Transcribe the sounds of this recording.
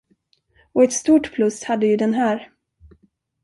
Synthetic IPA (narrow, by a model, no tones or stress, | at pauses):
ɔɛt̪st̪uːʈpʰlɵshad̪ːəjɵd̪ɛnɦæːɾ